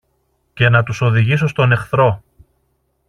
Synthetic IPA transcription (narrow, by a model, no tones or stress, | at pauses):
ce̞nɐt̪uso̞ðiʝiso̞st̪o̞ne̞xθɾo̞